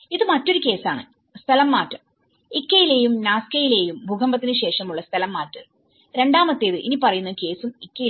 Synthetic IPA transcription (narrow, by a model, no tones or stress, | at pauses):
iðɨmɐtːo̞ɾuke̞ːsaːɳɨ | st̪ʰɐlɐmːaːtːɐm | ikʲːɐjileːjumnaːskɐjile̞ːjumbʱuɡʰʱɐmbɐt̪ːinɨɕe̞ːʂɐmuɭːɐst̪ʰɐlɐmːaːtːɐ | ɾe̞ɳɖaːmɐt̪ːeːðɨʔinipɐrɐjunːɐke̞ːsumikːɐji